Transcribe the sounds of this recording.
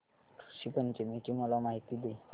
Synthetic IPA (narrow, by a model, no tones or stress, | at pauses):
ɕipənt͡ɕemeʈimɔlamaɦit̪id̪e